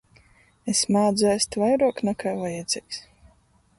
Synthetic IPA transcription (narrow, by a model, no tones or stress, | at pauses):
esmaːd̪zɛst̪vajɾuɔknakʰaːvajad̪z̥ʲiks